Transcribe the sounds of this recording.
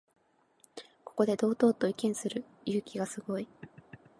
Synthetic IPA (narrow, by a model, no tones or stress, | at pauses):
ko̞ko̞d̪e̞d̪o̞ːt̪o̞ːt̪o̞ikʲẽɰ̃sɨɾɯ̟ | jɯ̟ːkʲiɡasɨɡo̞i